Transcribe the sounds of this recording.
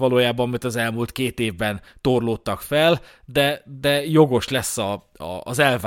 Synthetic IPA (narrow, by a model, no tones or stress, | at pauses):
ʋɒloːjaːbɒmmit̪ɒzɛlmult̪̚keːt̪eːvbɛnt̪o̞rloːt̪ːɒkfɛl | d̪ɛd̪ɛjo̞ɡo̞ʃlɛsːɒ | ɒ̰ːzɛlva